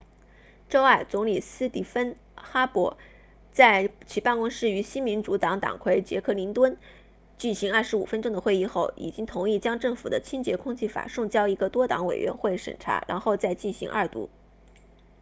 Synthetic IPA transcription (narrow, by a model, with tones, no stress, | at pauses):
ʈ͡ʂo˥ʊa˥˩t͡sʊ˧˥ŋli˨˩sɹ̩˥t̪i˧˥˩fə˥n | xa˥pwɔ˧˥ | t͡sa˥˩ɪt͡ɕʰi˨˩pa˥˧nkʊ˥ŋʂɻ̩˥˩y˧˥ɕi˥nmi˧˥nʈ͡ʂu˧˥t̪ɑ˧˥ŋt̪ɑ̰˨˩ŋkʰwe˥˩ɪt͡ɕjɛ̰˧˥kʰɤ˥˩li˧˥ŋt̪wə˥n | t͡ɕi˥˩nɕi˧˥ŋɐ˞˥˩ʂɻ̩˧˥ṵ˨˩fə˥nʈ͡ʂʊ˥ŋd̪ə˨xwe˥˧ɪi˥˧xo˥˩ʊʔḭ˨˩t͡ɕi˥ŋt̪ʰʊ˧˥ŋi˥˩t͡ɕjɑ˥ŋʈ͡ʂɤ˥˩ŋfṵ˨˩d̪ə˦t͡ɕʰi˥nt͡ɕjɛ˧˥kʰʊ˥ŋt͡ɕʰi˥˩fa̰˨˩ʂʊ˥˧ŋt͡ɕjɑ˥ʊi˧˥ɡə˧t̪wɔ˥t̪ɑ̰˧˥ŋwḛ˨˩ɪɥʔɛ̰˧˥nxwe˥˩ɪʂə̰˨˩nʈ͡ʂʰa̰˧˥ɻa̰˧˥nxo˥˧ʊt͡sa˥˧ɪt͡ɕi˥˩ɕḭ˧˥ŋʔɐ̰˥˩t̪ṵ˧˥